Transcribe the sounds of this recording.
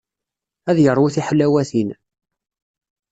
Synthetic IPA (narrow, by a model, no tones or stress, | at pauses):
æðjəɾˤwuθiħəlːæwæθin